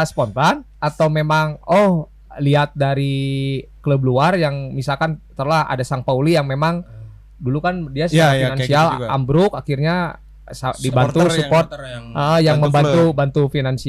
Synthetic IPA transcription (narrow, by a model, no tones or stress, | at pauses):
spɔnt̪an | at̪awmemaŋɔh | liat̪̚daɾikləb̚luarjaŋmisalkant̪əulaa̰dasaŋpaulijaŋmemaŋ | dulukandiasafinansiala̰mbɾʊkakirɲa | sadibant̪usupɔrt̪əʔəjaŋməmbant̪ubant̪ufinansi